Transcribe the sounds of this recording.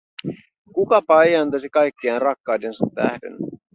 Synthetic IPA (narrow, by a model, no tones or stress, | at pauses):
kukɑpɑjɑnt̪ɑsikɑjkːiɑnrɑkːɑwde̞nsɑt̪ːæhde̞̰n